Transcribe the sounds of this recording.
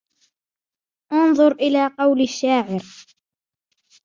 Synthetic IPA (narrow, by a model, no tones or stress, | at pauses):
ʔɑnðˤʊɾʔɪlaːqɑwlaʃːaːʕɪɾ